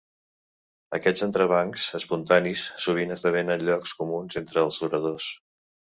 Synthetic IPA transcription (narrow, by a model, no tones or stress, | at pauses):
əkɛd͡zənt̪ɾəβ̞aŋksəspunt̪anisːuβ̞inəzðəβenənʎɔkskumunzent̪ɾəːlˠzuɾəðos